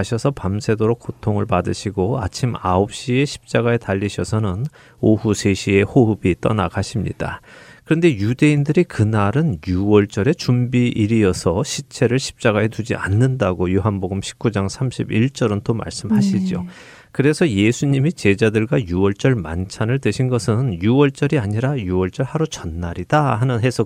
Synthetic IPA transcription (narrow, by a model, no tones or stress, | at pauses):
ɕʰʌsʰʌpamsʰe̞doɾok͈otʰoŋɯɭpadɯɕʰiɡoa̰t͡ɕʰimaop̚ɕ͈ie̞ɕʰi̥p̚t͡ɕ͈aɡae̞taʎːiɕʰʌsʰʌnɯn | ohusʰe̞ɕʰie̞hoɦɯbit͈ʌnaɡaɕʰimɲḭd̥akɯɾʌnde̞jude̞indɯɾikɯnaɾɯnjuwʌɭt͡ɕ͈ʌɾe̞t͡ɕumbiʔiɾiʌsʰʌɕʰit͡ɕʰe̞ɾɯɭɕʰi̥p̚t͡ɕ͈aɡae̞tud͡ʑḭʔa̰nːɯndaɡojoɦanboɡɯmɕʰi̥p̚k͈ud͡ʑaŋsʰamɕʰibiɭt͡ɕ͈ʌɾɯnt͈oma̰ɭs͈ɯmhaɕʰid͡ʑio̰ | kɯɾe̞sʰʌje̞sʰuɲimit͡ɕe̞d͡ʑadɯɭɡwajuwʌɭt͡ɕ͈ʌɭma̰nt͡ɕʰanɯɭtɯɕʰinɡʌsʰɯnjuwʌɭt͡ɕ͈ʌɾiaɲiɾajuwʌɭt͡ɕ͈ʌɭhaɾot͡ɕʌnːaɾid̥ahanɯnɦe̞sʰʌ